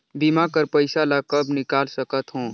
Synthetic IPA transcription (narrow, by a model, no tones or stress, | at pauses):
bimakəɾpəɪsalakəbnɪkaːlsəkət̪ɦõː